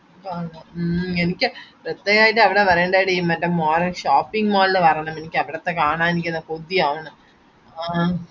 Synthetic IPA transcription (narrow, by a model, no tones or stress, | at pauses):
kaːɳɐenikʲːɨpɾɐt̪ːɐjaːjiʈːɨɐʋiɽeʋɐrɐjɳɖaːiɽejmːɐtːɐmːoːɾɐʂaːpːiŋɡmaːlnːɨpɐrɐɳɐmenikʲːɨɐʋiɽɐt̪ːekaːɳaːenikʲːenːɐpod̪ːiaːʋɐɳɐ | a